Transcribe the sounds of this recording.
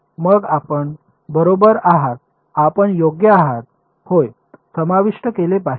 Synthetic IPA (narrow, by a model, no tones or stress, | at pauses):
məɡapəɳ | bəɾobəɾaɦat̪̚ | apəɳjoɡjəaɦat̪̚ | hoj | səmaʋiʂʈəkelepa